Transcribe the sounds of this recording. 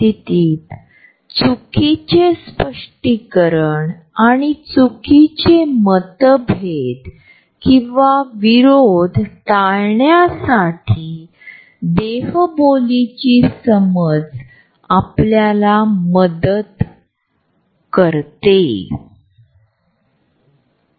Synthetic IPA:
it̪iːt̪ | t͡sukit͡ɕespəʂʈikəɾəɳ | aɽ̃it͡sukʰit͡ɕemət̪əbʱet̪ | kĩʋaʋiɾod̪ʱt̪aɭjɳjasaʈʰiː | d̪eɦbolit͡ɕiːsəməd͡z | apljalaməd̪ət̪ | kəɾt̪e

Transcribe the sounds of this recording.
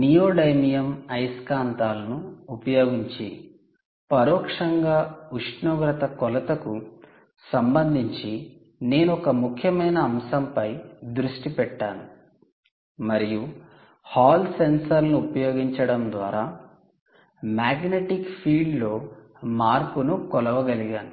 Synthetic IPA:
nijoːɖɐjmijɐmɐjskaːnt̪aːlɐnuːpɐjo̞ːɡiɲt͡ʃi | pɐɾɔːkʂɐŋɡaːuʂnoːɡɾɐt̪ɐkɔlɐt̪ɐku | sɐmbɐnd̪ʱiɲt͡ʃi | ne̞ːnuɔkɐmukʰjɐmɐjnɐːmsɐmpɐjd̪ɾuʂʈipɛʈːaːnu | mɐɾiju | haːlsensɐɾnuupɐjo̞ːɡiɲt͡ʃɐɽɐmd̪ʋaːɾaː | maːɡneʈikpʰiːɖloː | maːɾpunukɔlɐʋɐɡɐliɡaːnu

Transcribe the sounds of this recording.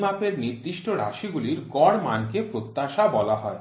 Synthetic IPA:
mapeɾniɾd̪ɾiʃʈoɾa̰ʃiɡuliɾɡɔɽma̰nkepɾot̪ːaʃabɔlaɦɔe

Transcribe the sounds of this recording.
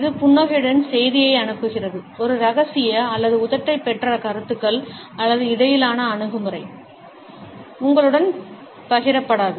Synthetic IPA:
ɪðɯpʊɳːɐɣɪɽɐnsɛjðɪjɐɪɐɳɯpːɯɣɪrɐðɯɔɾɯɾɐɣɐsɪjɐːlːɐðɯʊðɐʈːɐɪpːɛʈrɐkɐɾɯt̪ːɯkːɐɭ | ɐlːɐðɯɪðɐjɪlaːnɐːɳɯɣɯmɯɾɐɪ | ʊŋɡɐɭɯɽɐn | pɐɣɪɾɐpːɐɽaːðɯ

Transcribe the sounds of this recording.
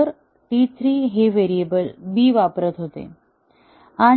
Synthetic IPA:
əɾ | ʈit̪ʰɾiːɦeʋeɾijebəlbiːʋapɾət̪ɦot̪ḛ | a

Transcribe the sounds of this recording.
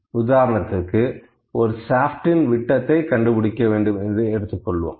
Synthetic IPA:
ʊðaːɾɐnɐt̪ːɯkːɯ | ʔɔɾɯsaːfʈɪnʋɪʈːɐt̪ːɐɪkɐɳɖɯpɪɽɪkːɐʋeːɳɖɯmɛnd̪ɯɛɽɯt̪ːɯkːɔɭːʋo̰ːm

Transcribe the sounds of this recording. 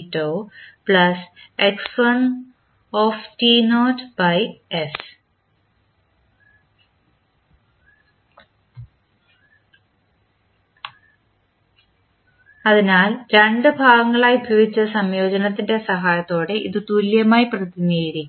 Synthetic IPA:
tːoːpɭɐseksfɐn | oːftinoːtbɐjes | ɐðinaːlɾeɳɖɨbʱaːɡɐŋːɐɭaːjubʱjɐːbit͡ɕːɐsɐmjo̞ːd͡ʑɐnɐt̪ːinde̞sɐɦaːjɐt̪ːo̞ːɽe̞ʔiðɨt̪uljɐmaːjiprɐðiniɣɐɾikː

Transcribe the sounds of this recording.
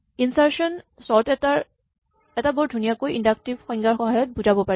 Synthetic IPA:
insaɹsɔnsɔɹtta | ɛtabɔɹdʱunijakojindak̚tibxɔjŋɡaɹxɔɦajɔt̚buzabɔpaɛ

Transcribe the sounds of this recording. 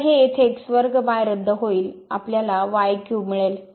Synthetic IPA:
ɦeet̪ʰeːksʋəɾɡbajɾəd̪ʱːəɦoiːla̰pljalaʋajkjuːmiɭel

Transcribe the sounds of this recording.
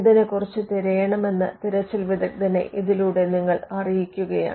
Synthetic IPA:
d̪ɐnekurɐt͡ɕːɨt̪eɾejɐɳɐme̞nːɨt̪iɾɐt͡ɕːilʋid̪ʱɐk̚d̪ɐnḛʔiðiluːɽe̞niŋːɐɭɐrijikʲːuɣɐja̰ː

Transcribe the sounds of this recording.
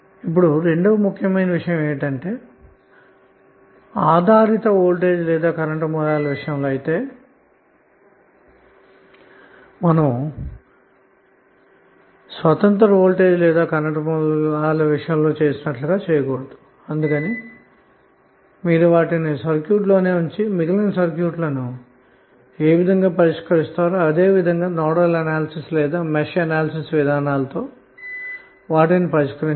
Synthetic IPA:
ip̬ːuɽuɾe̞ɳɖuʋɐmukʰːjɐmɐjnɐʋiʂɐjɐ̃meːʋiʈɐɳʈeː | aːd̪ʱaːɾit̪ɐoːlʈeːd͡ʒlɛːd̪aːkɐɾɐʈɐmɔlaːlɐʋiʂɐjɐmloːɐjit̪eː | mɐnɐm | sʋɐt̪ɐnt̪ɐɾɐoːlʈe̞ːd͡ʒlɛːd̪aːkɐɾɐʈɐmuaːlɐʋiʂɐjɐmlo̞ːt͡ʃeːsinɐʈluɡaːt͡ʃɛːjɐkɔːɽɐd̪u̥ | ɐnd̪ukɐni | miːɾuʋaːʈinisɐɾkjuːʈlo̞ːne̞ːuɲt͡ʃimiɡilɐnsɐɾkjuːʈlɐnu | eːʋid̪ʱɐŋɡaːpɐɾiʂkɐɾist̪aːɾaɐd̪e̞ːʋid̪ʱɐŋɡaːnɔːɽɐlɐnaːlɐsislɛːd̪aːmeʃɐnaːlɐsisʋid̪ʱaːnaːlɐt̪o̞ː | ʋaːʈinipɐɾiʂkɐɾiɲ

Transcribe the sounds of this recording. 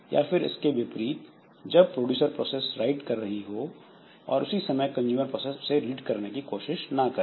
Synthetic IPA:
jʔa̰ːfɪɾɪ̰skeʋɪpɾiːt̪ | d͡ʒɐb̚pɾoːɖjuːsəɾpɾoːseːsɾaːɪʈkɐɾːɐɦiɦo | ɔ̰ːɾʊsisɐməjkɐ̃nd͡ʒuːməɾpɾoːsesseliːʈkɐɾnekikoːʃɪʃnɐkɐɾ

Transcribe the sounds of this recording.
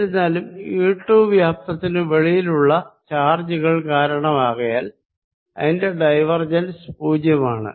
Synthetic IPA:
ɾnːaːlumjuiːʈːuːbʋjaːp̚t̪ɐt̪ːinɨʋeɭijiluɭːɐt͡ɕaːrd͡ʑuɣɐɭkaːɾɐɳɐmaːɣɐjaːl | ɐ̰ðinde̞ɖɐjʋɐrd͡ʑɐnspuːd͡ʑjɐmaːɳɨ̰

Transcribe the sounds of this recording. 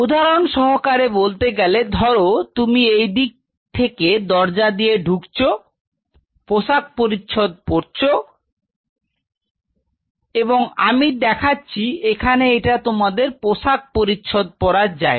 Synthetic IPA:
ud̪ʱaɾonʃɔɦokaɾebolt̪eɡɛled̪ʱɔɾot̪umiejd̪ik̚ | t̪ʰeked̪ɔɾd͡ʑad̪ijeɖʱukt͡ɕʰo | poʃak̚poɾitːʃʰod̪̚poɾt͡ɕʰo | eboŋamid̪ɛkʰatːɕʰiekʰaneeʈat̪omad̪eɾpoʃak̚poɾitːɕʰod̪̚pɔɾaɾd͡ʑae

